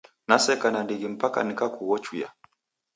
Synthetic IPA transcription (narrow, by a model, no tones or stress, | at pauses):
nasɛkanandiɡim̩paka̰nikakuwɔt͡ʃuja̰